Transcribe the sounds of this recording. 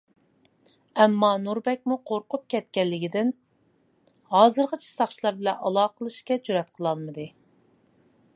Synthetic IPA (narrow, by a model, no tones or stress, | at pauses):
ɛmːɑnuɾbɛk̚ʲmuqʰoɾqʊp̚kʲʰɛt̪̚kʲɛlːɪɡʲid̪ɪn | hɑːzɨɾʁət͡ʃʰi̥sɑχt͡ʃʰilˠɑɾbɪlɛnʔɑlˠɑːqʰəlˠɨʃkʲɛd͡ʒuɾɛt̪qʰəlˠɑlˠmɨd̪ɨ